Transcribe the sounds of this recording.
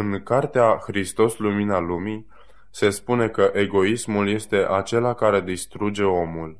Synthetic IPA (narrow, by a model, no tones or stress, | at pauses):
ɨŋkart̪eaxɾist̪o̞sluminalumi | se̞spune̞kəʔe̞ɡo̞ismulje̞st̪e̞ʔat͡ʃe̞lakaɾe̞d̪ist̪ɾud͡ʒe̞o̞mul